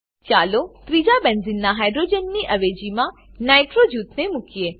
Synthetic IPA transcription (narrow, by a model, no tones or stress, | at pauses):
t͡ʃaːlot̪ɾid͡ʒabɐnzɪnːaɦaːɪɖɾoːd͡ʒənːiʔɐʋeːd͡ʒimãnaːɪʈɾod͡ʒuːt̪nemʊkieː